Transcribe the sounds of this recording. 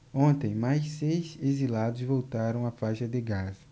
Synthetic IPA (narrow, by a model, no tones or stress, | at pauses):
õnt̪ẽj̃majʃsejsezilad̪ʊzvowt̪aɾɐ̃w̃afajʃɐd̪ɪɡazɐ